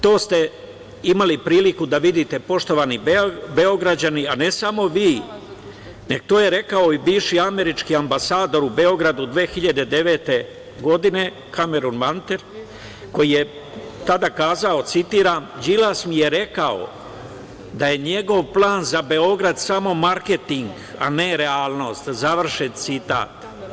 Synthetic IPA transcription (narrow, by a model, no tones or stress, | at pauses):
t̪o̞ːst̪e̞ | imalipɾiːlikud̪aʋid̪it̪e̞po̞ʃt̪o̞ʋanibe̞o̞ɡɾad͡ʑaniane̞samo̞ʋiː | neɡt̪oːje̞ɾe̞kao̞ibiːʋʃiame̞ɾit͡ʃkiambasaːd̪o̞ɾube̞o̞ɡɾad̪ud̪ʋe̞ːxiʎad̪e̞d̪e̞ʋe̞ːt̪e̞ | ɡo̞d̪ine̞ | kʰame̞ɾunmant̪eɾ | ko̞jije̞ | t̪ad̪akaːzao̞t̪sit̪iːɾamd͡ʒilasmije̞ɾe̞kao̞̰ | d̪aje̞ɲe̞ɡo̞ʋplˠaːnzabe̞o̞ɡɾad̪samo̞maɾke̞t̪iŋɡ | a̰ne̞ɾe̞aːlˠno̞ːst̪zaʋr̩ʃet̪sit̪a̰ːt̪